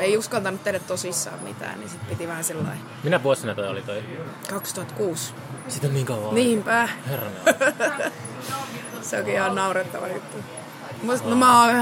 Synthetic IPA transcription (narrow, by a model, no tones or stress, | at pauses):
eiuskɑlt̪ɑnut̪t̪ehɾæt̪t̪osisːɑ̰ːmmḭt̪æ̰ːnnḭsit̪pit̪iʋæhæsilːɑ̰i | minæʋuosɑnɑt̪oio̰lit̪oikɑkst̪uhɑt̪kuːs | sit̪olʲniːŋkɑuʋɑniːmpæherːɑmḛ | seo̰kiihɑnnɑuret̪ːɑ̰ʋɑ̰jṵt̪ːu | munomæo